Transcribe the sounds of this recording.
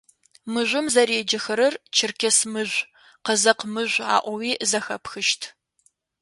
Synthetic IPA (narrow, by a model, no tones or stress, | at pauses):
mɨʒʷʊmzɐɾeːd͡ʒɐxɐɾɐrt͡ʃʰɪrkʲʰɛsmɨʑʷ | qəzɐqmɨʒʷa̰ːʔʷɔwiːzɐxɐpxɨʃtʰ